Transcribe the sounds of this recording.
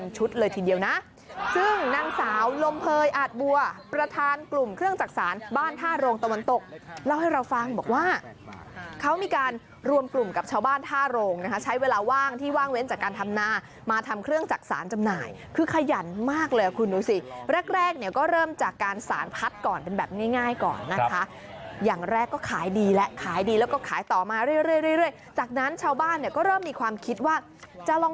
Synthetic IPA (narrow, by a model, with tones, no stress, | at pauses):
nt͡ɕʰu˦˥t̪̚lɤː˧jt̪ʰiː˧di˧əwna˦˥ʔ | sɯ˥˩ŋna˧ŋsaː˩˦wlo˧mpʰɤː˧jʔaː˨˩t̪̚bu˨˩ɐpɾa˧t̪ʰaː˧nklu˨˩mkʰɾɯ˥˩əŋt͡ɕaː˨˩k̚saː˩˦nbaː˥˩nt̪ʰaː˥˩ɾoː˧ŋt̪a˧wa˧nt̪o˨˩k̚la˦˥˩wha˥˩jɾa˧wfa˧ŋbɔː˨˩k̚waː˥˩ | kʰa˦˥wmiː˧kaː˧n | ɾu˧əmklu˨˩mka˨˩p̚t͡ɕʰaː˧wbaː˥˩nt̪ʰaː˥˩ɾoː˧ŋna˦˥kʰa˦˥t͡ɕʰa˦˥jweː˧laː˧waː˥˩ŋt̪ʰiː˥˩waː˥˩ŋwe˦˥nt͡ɕaː˨˩kːaː˧nt̪ʰa˧mnaː˧ | maː˧t̪ʰa˧mkʰɾɯ˥˩əŋt͡ɕaː˨˩k̚sa̰ː˩˦nt͡ɕa˧mna̰ː˨˩j | kʰɯː˧kʰa˧ja˨˩nmaː˥˩k̚lɤː˧ja˨˩kʰu˧nduː˧si˨˩ɾɛ˥˩k̚ɾɛː˥˩k̚ni˥˩əkɔː˥˩ɾɤː˥˩mt͡ɕaː˨˩kːaː˧nsa̰ː˩˦npʰa˦˥t̪̚kɔː˨˩npe˧nbɛː˨˩p̚ŋaː˥˩jŋaː˥˩jkɔ̰ː˨˩nːa˦kʰa˦˥ | jaː˨˩ŋɾɛː˥˩kːɔː˥˩kʰaː˩˦jdiː˧lɛ˦˥ʔkʰaː˩˦jdiː˧lɛː˦˥wkɔː˥˩kʰaː˩˦jt̪ɔː˨˩maː˧ɾɯ˥˩jɾɯ˥˩əjɾɯ˥˩əjɾɯ˥˩əj | t͡ɕaː˨˩k̚na˦˥nt͡ɕʰaː˧˥wbaː˥˩nːi˥˩ɐkɔː˥˩ɾɤː˥˩mːiː˧kʰwaː˧mkʰi˦˥t̪̚waː˥˩ | t͡ɕa˨˩lɔː˧ŋ